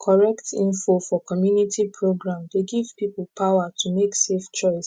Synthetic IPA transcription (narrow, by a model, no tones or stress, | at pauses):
kʰɔɹɛktʰĩnfofɔkɔmjunitʰipʰɹoɡɹãmdeɡiv̥pipl̩pawatʰumekseft͡ʃɔɪs